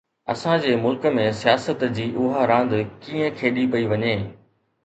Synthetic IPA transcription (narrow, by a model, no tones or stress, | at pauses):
ɐ̰sãd͡ʑeːmʊlkə̆mẽsijaːsət̪d͡ʑiːʔʊɦaɾãːn̆d̪kiːə̃kʰeːɗipɐiʋɐɲeː